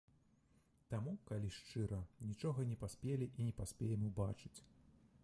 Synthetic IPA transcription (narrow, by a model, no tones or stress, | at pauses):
t̪amukalʲiʂt͡ʂɨɾɐnʲit͡ʂɔɣɐnʲɛpasʲpʲelʲiʔinʲɛpasʲpʲɛjɛmʲɛbat͡ʂɨ̥t͡sʲ